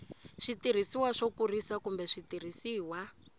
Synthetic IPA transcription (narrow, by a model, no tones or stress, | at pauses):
ʂitiɾ̤isiwaʂɔkurisakumbɛʂitir̤isiːwa